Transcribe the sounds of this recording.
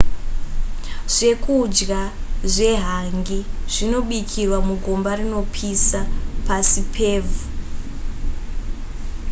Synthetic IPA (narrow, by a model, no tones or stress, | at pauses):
ʐ̥e̞kʰud͡ʒɡaʐe̞ɦaŋɡiʐ̥ino̞ɓikʰirwamuɡʱombarino̞pʰisapasipʰeːvu